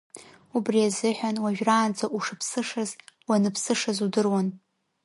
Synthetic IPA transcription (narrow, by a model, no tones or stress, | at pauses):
ubriazɨħʷᶣanwaʒᶣraːnd͡zaʔuʂɨpʰsɨʂazwanɨpʰsɨʂazudɨrwan